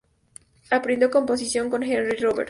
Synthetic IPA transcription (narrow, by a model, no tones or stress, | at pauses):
apɾend̪okompos̬isjo̞ŋkonxenriroβḛɾt̪